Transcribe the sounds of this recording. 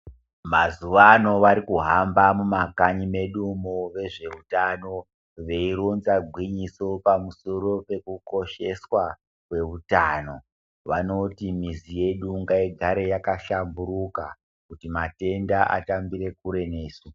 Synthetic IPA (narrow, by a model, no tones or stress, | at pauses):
mazuʋano̞ʋaɾikuɦambamumakaɲime̞ɗumoʋe̞ʐe̞utano̞ | ʋe̞iɾonzaɡʱwiɲiso̞pamuso̞ɾo̞pe̞kuko̞ʃe̞swa | kwe̞ʋutaːno̞ | ʋano̞timizije̞ɗuŋɡaiɡʱaɾe̞jakaʃambuɾuka | kutimate̞ndaʔa̰tambiɾe̞kuɾe̞ne̞ːsu